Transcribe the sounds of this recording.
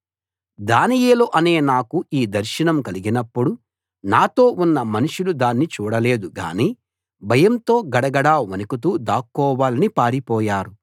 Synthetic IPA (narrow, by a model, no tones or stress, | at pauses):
d̪aːnijeːloːʔɐne̞ːnaːkuiːd̪ɐɾʃinɐmkɐliɡinɐpːuɽu | naːt̪o̞ːʔunːɐmɐnuʂulud̪aːnːit͡ʃuːɽɐle̞ːd̪uɡa̰ːniː | bʱɐjɐmt̪o̞ːɡɐɽɐɡɐɽaːʋɐnikut̪̬uːd̪aːkːɔːʋaːlɐnipaːɾipɔːjaːɾu